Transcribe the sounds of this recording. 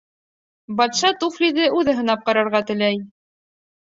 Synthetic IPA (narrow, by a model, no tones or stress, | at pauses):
bɑt̪ʃɑt̪uflʲid̪ɘʔʉðɘ̆ɦɤ̆nɑp̚qɑɾɑɾʁɑt̪ɘ̆læj